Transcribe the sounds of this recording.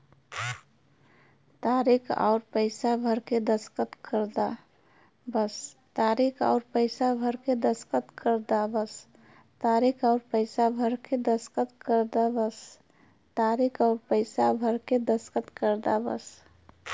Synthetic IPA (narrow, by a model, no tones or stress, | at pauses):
t̪aɾikʰa̰ʊɾpəɪsabʱəɾked̪əskət̪kəɾd̪a | bəst̪aɾikʰa̰ʊɾpəɪsabʱəɾked̪əskət̪kəɾd̪abəs | t̪aɾikʰaʊɾpəɪsabʱəɾked̪əskət̪kəɾd̪abəs | t̪aɾikʰaʊɾpəɪsabʱəɾked̪əskət̪kəɾd̪abə̰s